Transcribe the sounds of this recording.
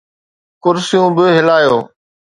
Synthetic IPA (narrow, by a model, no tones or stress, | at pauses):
kʊɾsɪjũːbɪɦɪlaːjoː